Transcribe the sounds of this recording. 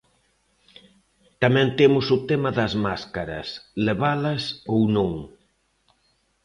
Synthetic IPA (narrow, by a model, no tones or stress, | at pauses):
t̪ɐmɛ̃nt̪emʊsʊt̪emɐðɐzmaskaɾɐ̰sleβalɐsownõŋ